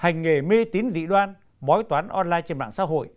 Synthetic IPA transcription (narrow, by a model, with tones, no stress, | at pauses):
ha˨˩jŋ̟ːe˨˩me˧t̪i˨˦nzḭ˧˨ɗwaː˧n | ɓɔ˨˦jt̪waː˨˦nʔɔ˧nlaː˧jt͡ɕe˧nɓa̰ː˧˨nsa̰ː˧˥ɦo̰˧˨j